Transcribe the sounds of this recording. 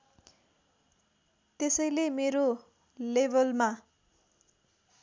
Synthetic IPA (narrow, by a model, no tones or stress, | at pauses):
t̪esʌjlemeɾo | lebʌlma